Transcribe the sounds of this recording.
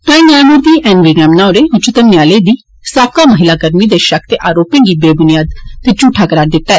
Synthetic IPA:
t̪ãːĩːnaːmʊɾd̪iːʔɛːnʋiːɡɾɛ̃ːmnaːʊɾeːɦʊt͡ʃʰt̪əmnɪjaːleːd̪iː | saːp̚kaːməɦɪlaːɡəɾmiːd̪eːʃək̚ʰt̪eːʔaːɾoːpẽːŋɡiːbeːbʊnɪjaːd̪t̪eːt͡ʃuːʈʰaːkəɾaːɽd̪ɪt̪ːaːɛː

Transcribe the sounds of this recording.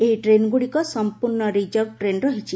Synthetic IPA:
eɦiʈɾenɡuɽikɔsɔmpuɾɳɔɾid͡ʒɔkʈɾenɾɔɦit͡ʃʰi

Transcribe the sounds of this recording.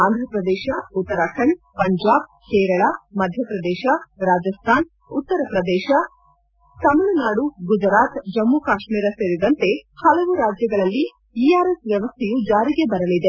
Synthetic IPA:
aːnd̪ʱɾɐpɾɐd̪ɛːʃɐut̪ːɐɾaːkʰɐɳpɐɲd͡ʒaːb̚ | kɛːɾɐɭamɐd̪ʱjɐpɾɐd̪ɛːʃɐɾaːd͡ʒɐst̪ʰaːn | ut̪ːɐɾɐpɾɐd̪ɛːʃɐ | sɐmɐɭɐnaːɽuɡud͡ʒɾaːt̪d͡ʒɐmːukaːʃmiːɾɐseːɾid̪ɐnt̪e̞hɐlɐʋuɾaːd͡ʒjɐɡɐɭɐlːi | iaːɾesʋjɐʋɐst̪ʰejud͡ʒaːɾiɡe̞bɐɾɐlid̪e

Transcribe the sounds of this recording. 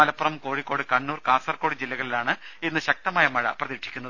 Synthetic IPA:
mɐlɐpːurɐmko̞ːɻikːo̞ːɽɨkɐɳːuːrkaːsɐrkoːɽid͡ʑilːɐɣɐɭilaːɳɨenːɨɕɐk̚t̪ɐmaːjɐmɐɻɐ̰prɐðiːʈʂʰi̥kʲːunːɐðɨ

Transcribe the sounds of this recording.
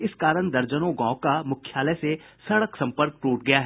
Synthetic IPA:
ɪskaːɾəɽ̃d̪ɐɾd͡ʒənõɡãːkamʊkʰːjaːlɛse | sɐɽəksɐ̃mpəɾk̚ʈuːʈɡɐjaɦɛː

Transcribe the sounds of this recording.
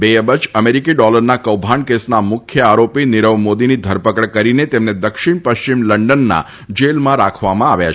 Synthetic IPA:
beəbət͡ʃəmeɾikiɖɔləɾnakəwbʱaɳkesnamʊkʰjəaɾopiniɾəʋmod̪inid̪ʱəɾpəkəɽkəɾinet̪emned̪əkʃiɳpəʃt͡ʃimləɳɖənːa̰ | d͡ʒelmãɾakʰʋamãaʋja̰

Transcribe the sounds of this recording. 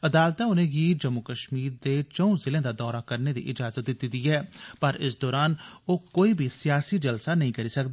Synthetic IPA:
əd̪aːlt̪ãːʊnẽːɡiːd͡ʒəmːʊkəʃmiːɾd̪eːt͡ʃəũːzɪlẽːd̪aːd̪ɔːɾaːkəɾneːd̪ḭːʔɪd͡ʒaːzət̪̚d̪ɪt̪ːid̪iːɦɛːpəɾɪsd̪ɔːɾaːnoːkoːiːbʱiːsɪjaːsiːd͡ʒəlsaːnəɦĩːkəɾiːsəkd̪aː

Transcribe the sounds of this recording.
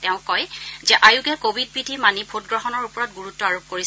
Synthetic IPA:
tɛʊ̃kɔjzɛʔajuɡɛkobʱid̚bidʱimanibʱotɡɹɔɦɔnɔɹupɔɹɔtɡuɹutːɔaɹob̚koɹis

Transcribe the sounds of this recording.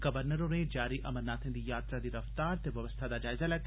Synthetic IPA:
ɡ̥ɐʋəɾnəɾõnẽd͡ʒaːɾiʔɐ̰mənaːt̪ʰẽnd̪ijaːt̪ɾad̪iɾɐft̪aːɾt̪eʋjɐʋəst̪ʰad̪aːd͡ʒaːɪzalɛːk̪ʰ

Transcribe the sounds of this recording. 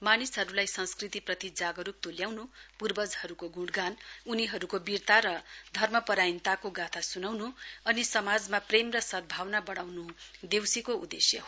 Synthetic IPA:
manisɦʌɾulajsʌ̃nskrit̪iprʌt̪id͡zaɡʌɾuk̚t̪oljawnupurbʌd͡zhʌɾukoɡũɽɡanuniɦʌɾukobirt̪aɾʌd̪ʱʌrmʌpʌɾajnt̪akoɡat̪ʰasunawnuʌnisʌmad͡zmapremrʌsʌd̪̚bʱawnabʌɽawnud̪ewsikoṵd̪ḛsjʌ̰ɦo

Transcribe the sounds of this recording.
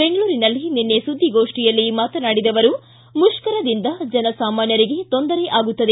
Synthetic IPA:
be̞ŋɡɐɭuːɾinɐlːinenːesud̪ʱːiɡo̞ːʂʈijɐlːimaːt̪ɐnaːɽid̪ɐʋɐɾu | muʂkɐɾɐd̪ind̪ɐd͡ʒɛnɐsaːmaːnjɐɾiɡe̞t̪o̞nd̪ɐɾe̞ʔaːɡut̪ːɐd̪e

